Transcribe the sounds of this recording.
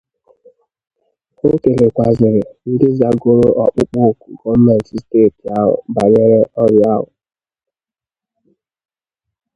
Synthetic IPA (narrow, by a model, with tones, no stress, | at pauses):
o˦ke˨le˨kʷa˨zɪ˨ɾɪ˨n̩˦dɪ˦za˨ɡo˦ɾo˦ʔɔ˨k͡pʊ˦k͡po˦˨ku˨ɡɔ˦m̩˦mɛ˨n˨tsteː˦˨ta˦ɦʊ̰˨ba˨ɲe˦ɾe˦ɔ˦ɾja˦ɦʊ̰˨